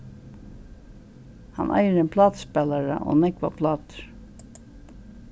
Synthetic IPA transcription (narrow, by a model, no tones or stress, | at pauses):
ha̰nʔa̰jɾɛnpʰlɑːt̪spɛːlaɹa̰ʔo̰nɛkvapʰlɑːt̪ɪ̥ɹ̥